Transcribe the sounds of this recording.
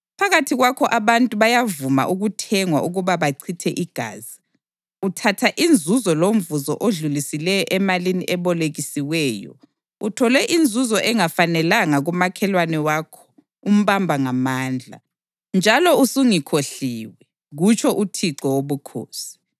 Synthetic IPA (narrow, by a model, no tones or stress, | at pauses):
pʰaɣatʰiɣwakʰɔʔaβantʼuβajavuma̰ʔuɣutʰɛŋwa̰ʔuɣuβaβaǀʰitʰɛʔiɡ̥ʱa̰ːzi | utʰatʰaʔind͡zʱuzɔlom̩vuzɔ̰ʔoɮulisilɛjɔʔɛmaliniʔɛβɔleɣisiwɛːjɔ̰ | utʰɔlɛʔind͡zʱuzɔʔɛŋafanɛlaŋaɣumakʰɛlwanɛwakʰɔ̥ | um̩βambʱaŋamaːnd͡ɮʱa̰ | nd͡ʒʱalɔusuŋikʰoɬiːwɛ | ɣut͡ʃʰɔʔutʰiǀɔwoβukʰo̰ːsi̥